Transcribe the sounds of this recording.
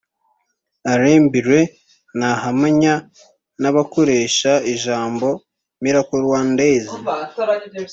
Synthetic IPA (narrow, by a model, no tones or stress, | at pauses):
aɾeːmbiɾwe̞ | nahamaɲa | naβako̞ɾe̞ːʃaiʒaːmbo̞ | miɾakoɾwaːndeːzi